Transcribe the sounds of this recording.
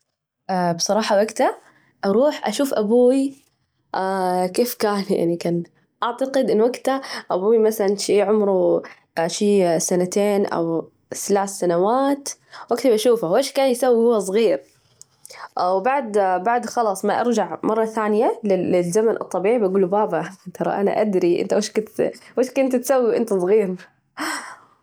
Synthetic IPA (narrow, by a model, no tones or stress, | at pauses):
ʔabsˤɑɾˤɑːħɑwaɡt̪a | ʔɑɾˤuːħʔaʃuːfʔabuːwi | ʔakeːfkaːnja̰ʕnikaːn | ʔaʕt̪aqɪd̪ʔɪnːwaɡt̪aʔabuːimaθalanʃiːʕʊmɾu | ʃiːsanat̪eːnʔa̰w | θlaːsːanawaːt̪waɡt̪abaʃuːfaweːʃkaːnjsawːihʊwːas̬ˤɣiːɾ | ʔawbaʕd̪baʕd̪xɑlɑːsˤmaʔɑ̰ɾd͡ʒaʕmʔɑrˤːɑθaːnɪjalɪɪlzamanʔɨ̰t̪ˤːɑbiːʕibʔaɡuːlbaːbat̪ʰɑɾˤɑ̰ʔana̰ʔad̪ɾiʔɪ̰nt̪aweʃkʊnt̪weːʃkʊnt̪t̪sawːiʔɪ̰nt̪asˤɣiːɾ